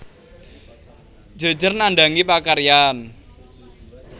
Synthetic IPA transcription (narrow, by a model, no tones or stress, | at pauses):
d͡ʒə̤̥d͡ʒərnaɳɖaŋipakaɾijan